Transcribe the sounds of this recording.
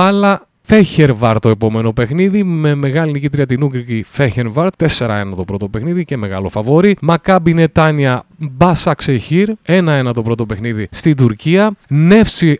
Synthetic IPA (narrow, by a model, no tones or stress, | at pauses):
ɐlɐ | feçeɾvɐɾt̪o̞e̞po̞me̞no̞pe̞xniðime̞me̞ɣɐlinicit̪ɾiɐt̪̬inuɡɾikifeçeɾvɐɾt̪t̪ːe̞se̞ɾɐ̰e̞nɐt̪o̞pɾo̞t̪o̞pexniðice̞me̞ɣɐ̰lo̞fɐvo̞ɾimɐkɐbine̞t̪ɐniɐbɐsɐkseçiɾe̞nɐe̞nɐt̪o̞pɾo̞t̪o̞pe̞xniðist̪id̪uɾciɐne̞fsi